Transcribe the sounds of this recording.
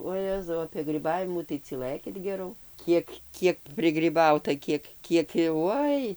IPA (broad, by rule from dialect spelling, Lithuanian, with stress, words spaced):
oːˈjæːzɐʊ ɐpʲiɛ ɡrʲiːˈbɑːʋʲɪmuː tɐɪ t͡sʲiːˈlˠɘkʲɪt ɡʲɛˈrɐʊ ˈkʲiɛk ˈkʲiɛk pʲrʲɪɡrʲiːˈbɐʊtɐ ˈkʲiɛk ˈkʲiɛk jɛʊ ˈoːɪ